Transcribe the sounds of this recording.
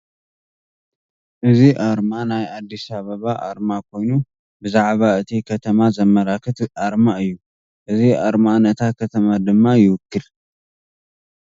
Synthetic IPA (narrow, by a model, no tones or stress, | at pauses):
ʔɨziʔaɾmanajad̪ːisaβɐβaʔa̰ɾmakʰo̞jnu | bɨzaʕβaɨt̪ʰikʰɐt̪ʰɐmazɐmːɐlakʰɐt̪ʔaɾmaɨjːu | ʔɨziʔaɾmanɐt̪ʰakʰɐt̪ʰɐmad̪ɨmːajɪwʊkːɨl